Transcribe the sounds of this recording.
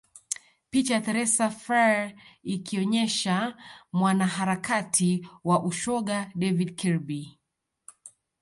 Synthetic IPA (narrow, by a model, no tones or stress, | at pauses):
pit͡ʃajaθɛɾɛsafaikiɔɲɛʃamwanaɦaɾakatʰiwaʔuʃɔɠaɗɛvidkʰɛɾbi